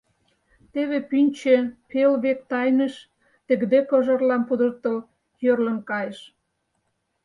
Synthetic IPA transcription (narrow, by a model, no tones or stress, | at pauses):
t̪eβepynʲt͡ɕepelβek̚t̪ɑjnə̆ʃ | t̪ĕɡd̪ekə̆ʒə̆rlɑmpud̪ərt̪əl | jørlə̆mkɑjəʃ